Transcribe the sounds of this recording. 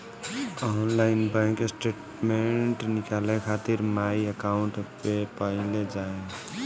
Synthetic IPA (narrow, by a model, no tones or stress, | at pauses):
ɔnlaɪnbɛ̃kesʈeːʈ | meɳʈnɪkalekʰat̪iɾmaiəkaʊɳʈpepəɦled͡ʒae